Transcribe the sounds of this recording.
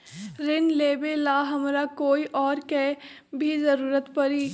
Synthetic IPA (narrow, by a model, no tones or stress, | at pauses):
ɾɪnleːbelaːɦɐmɾakoːiʔɔːɾkɛ | bʱizɐɾuːɾət̪pɐɾiː